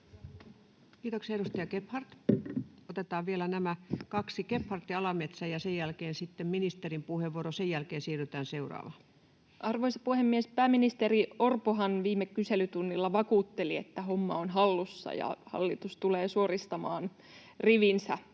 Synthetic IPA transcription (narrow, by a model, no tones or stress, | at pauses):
kiːt̪oksiɑeɾust̪ɑjɑkephɑrt̪ | ot̪et̪ɑːʋʋielænæmækɑksikephɑrt̪ːiɑlɑmet̪sæjɑsejælkeːnsit̪ːemminist̪erimpuheʋuoɾosejælkeːnsiːryt̪æːnseurɑ̰ːʋɑ | ʔɑrʋoisɑ̥puhemːiespæːminist̪eriorpoɦɑnʋiːmːekkːyselyt̪unːilːɑʋɑkuːt̪ːeliet̪ːæɦomːɑonɦɑlːusːɑ̰jɑ̰hɑ̰lːit̪ust̪uleːsuorist̪ɑmɑːn | riʋinsæ